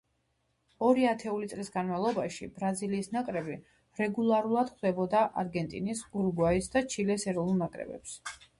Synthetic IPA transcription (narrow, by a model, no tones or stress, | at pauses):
ɔɾiat̪ʰɛulit̪sʼlisɡanmalˠɔbaʃḭb̥ɾaziliːsnakʼɾɛbi | ɾɛɡulˠaɾulˠad̪̥χwd̪ɛbɔd̪aʔaɾɡɛnt̪ʼḭnisɡuɾɡwaisd̪at͡ʃʰilɛsɛɾɔnulˠnakʼɾɛ̰bɛ̰ps